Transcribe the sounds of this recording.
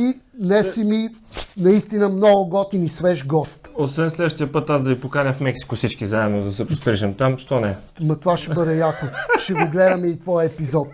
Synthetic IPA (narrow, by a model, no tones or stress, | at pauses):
inɛsiminɐist̪inəmnɔɡʊɡɔt̪inisvɛʃɡɔst̪osvɛnslɛd̪vəʃt̪ijəpɤt̪azd̪ɐvipokanʲəfmɛksi̥kʊsit͡ʃkizaɛbnod̪ɐsɛpɾospɾiʒəmt̪amʃt̪ɔnɛ | mɐt̪ovaʃɛbɤd̪ɛjakoʃɛɡoɡlɛd̪ɐmɛit̪vɔjɐɛpizɔt̪